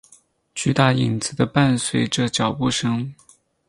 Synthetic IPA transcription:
t͡ɕy˥˩t̪a˥˩i˨˩nt͡sɹ̩˧˩d̪ə˧pa˥˧nswe˨˩ɪʈ͡ʂɤ˥˩t͡ɕjɑ˨˩ʊpu˥˩ʂɤ˥ŋ

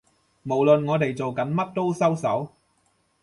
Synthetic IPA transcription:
mo˨˩wlɵ˨nŋɔː˨˧t̪e˨jt͡so˨wkɐ˨˥nmɐ˥t̚t̪o˥wsɐ˥wsɐ˨˥w

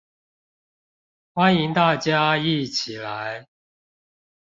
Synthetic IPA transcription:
xwa˦ni˧˦ŋt̪a˥˨t͡ɕja˦i˥˨t͡ɕʰi˨˩la˨˦ɪ

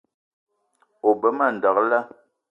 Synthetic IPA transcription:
o˨bə˦ma˦˨n̩˨da˨kla˦

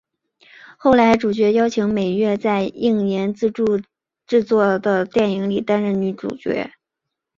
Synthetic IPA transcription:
xo˥˩ʊla˧˥ɪʈ͡ʂu˨˩t͡ɕɥɛ˧˥jɑ˥ʊt͡ɕʰi˧˥ŋme˨˩ɪɥɛ˥˧t͡sa˥˧ɪi˥˩ŋnjɛ˧˥nt͡sɹ̩˥˧ʈ͡ʂu˥˧ | ʈ͡ʂɻ̩˥˧t͡swɔ˥˩d̪ə˩t̪jɛ˥˩ni˧˥ŋli˨˩t̪a˥nɻə˧˥˩nny˧˥ʈ͡ʂṵ˨˩t͡ɕɥɛ̰˧˥

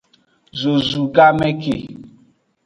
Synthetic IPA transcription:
zo˨zu˨ɡa˦mɛ˦kḛ˨

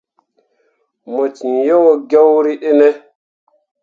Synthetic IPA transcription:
mo˨t͡ʃi˨njo˦wo˦ɡe˦wɾi˦ɗe˦ne˦

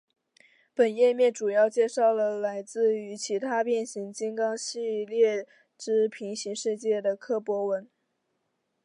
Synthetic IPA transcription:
pə˨˩njɛ˥˧mjɛ˥˩nʈ͡ʂu˨˩jɑ˥˧ʊt͡ɕjɛ˥˧ʂɑ˥˩ʊlə˩la˧˥ɪt͡sɹ̩˥˩y˧˥t͡ɕʰi˧˥t̪ʰa˥pjɛ˥˩nɕi˧˥ŋt͡ɕi˥ŋkɑ˥ŋɕi˥˧ljɛ˥˩ | ʈ͡ʂɻ̩˥pʰi˧˥ŋɕi˧˥ŋʂɻ̩˥˧t͡ɕjɛ˥˩d̪ə˩kʰɤ˥pwɔ˧˥wə˧˥n

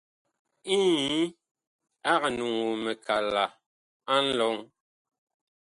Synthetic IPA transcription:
i˦ | a˦ka˨nu˨ŋu˨mɛ˨kʰa˨la˨ | a˦n̩˦lɔ˨˦ŋ

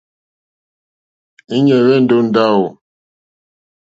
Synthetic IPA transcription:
i˦ɲɛ˨ɣɛ˦˨n̩˦do˦n̩˨da˦˨wo˨

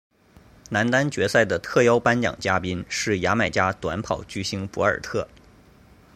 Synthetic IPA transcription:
na˧˥nt̪a˥nt͡ɕɥɛ˧˥sa˥˩ɪd̪ə˩t̪ʰɤ˥˧jo˥ʊpa˥nt͡ɕjɑ̰˨˩ŋt͡ɕja˥pi˥nʂɻ̩˥˩ja˧˥ma˨˩ɪt͡ɕja˥t̪wa˧˥npʰɑ˨˩ʊt͡ɕy˥ɕi˥ŋpɔ˧˥ə˞˨˩t̪ʰɤ˥˩

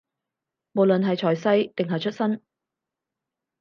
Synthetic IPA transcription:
mo˨wlɵ˨nɦɐ˨jt͡ʃʰɔː˨˩jsɐ˥jt̪ɪ˨ŋɦɐ˨jt͡ʃʰɵ˥t̚sɐ˥n

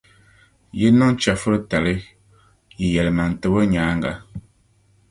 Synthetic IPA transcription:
je˦nɔ˦n˦t͡ʃa˨fə˦ɾə˦ta˨li˦ | ji˨jɛ˨lma˨n̩˨tə˨bə˦ɲaː˨˦ŋɡa̰˦

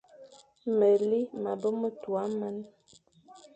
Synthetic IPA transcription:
mɛ˨li˦ma˨bə˦mə˦twa˨˦ma˦n˦

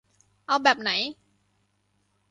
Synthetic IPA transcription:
ʔa˧wɓɛː˨˩p̚na˨˩˦j

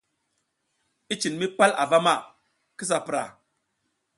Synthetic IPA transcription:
i˦t͡ʃi˨nmi˦pa˦la̰˨va˦ma˦˨ | ki˦s̬a˨pɾa̰˨

